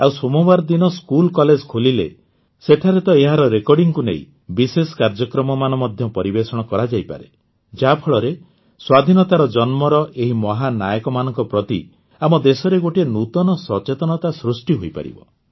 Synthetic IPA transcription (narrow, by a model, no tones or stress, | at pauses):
awsomɔbaɾd̪inɔskulkɔled͡ʒkʰolilḛ | seʈʰaɾet̪ɔeɦaɾɔɾekɔɾɖiŋkunḛḭ̃ | bisesɔ̥kaɾd͡ʒɔkɾɔmɔmanɔmɔd̪ʱjɔpɔɾibesɔɽ̃ɔkɔɾad͡ʒajpa̰ɾe | d͡ʒapʰɔɭɔɾe | swad̪ʱinɔt̪aɾɔd͡ʒɔnmɔɾɔʔeɦimɔɦanajɔkɔmanɔŋkɔpɾɔt̪ḭ | amɔd̪esɔɾeɡoʈienut̪ɔnɔsɔt͡ʃet̪ɔnɔt̪asɾusʈiɦojpa̰ɾḭbɔ̰